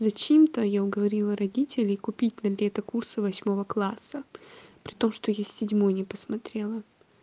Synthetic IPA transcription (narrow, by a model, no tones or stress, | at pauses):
zɐt͡ɕimt̪əjaʊɡəvɐɾʲilˠəɾɐdʲitʲɪlʲɪkʊpʲit̚ʲnɐlʲet̪əkursɨvɐsʲmovəklˠasːəpɾʲɪt̪o̞mʂt̪ojasʲːɪdʲmojnʲɪpəsmɐt̪ɾʲe̞lˠə